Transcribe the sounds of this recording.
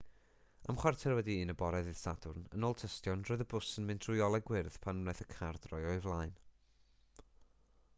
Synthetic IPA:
amχwartʰɛrwɛdiiːnəbɔɾɛðɨðsadʊrnə̰noːlˠtʰəstjɔnroːɨðəbʊsənmɪndʰrʊjɔlˠɛɡwɪrð̥pʰanmnɛjθəkʰard̥rɔjɔɨvlˠajn

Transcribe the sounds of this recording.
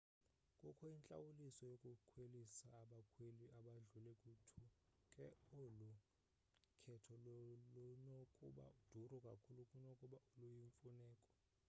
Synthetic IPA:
kʼɔkʰɔint͡ɬʼa̰wulisɔjokʼukʰwelisaːɓakʰweliʔaɓaɮulɛkʼutʰukʼɛolu | kʰɛtʰɔlɔlɔnokʼuɓa̰ud̥ʱurɔkʼakʰulukʼunokʼuɓaulujiɱfunɛːkʼɔ̥

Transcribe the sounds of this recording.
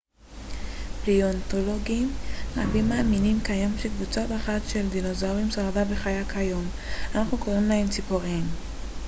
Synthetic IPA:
bliont̪o̞lo̞ɡimʁa̰bimːaːminimkajo̞mʃekvut͡sataχat̪ʃe̞ld̪ino̞zaoʁimsaʁadabeχajakhajo̞m | anaχnuko̞ʁimlaemt͡sipoʁim

